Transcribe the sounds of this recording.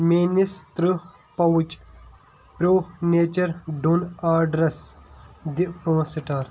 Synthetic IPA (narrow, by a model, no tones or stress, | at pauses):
minist̪ɾɨ | pɐwut͡ʃ | pɾoːneːt͡ʃɐɾɖunaːɖɾɐsd̪iʔpɐ̃ːsiʈaːɾ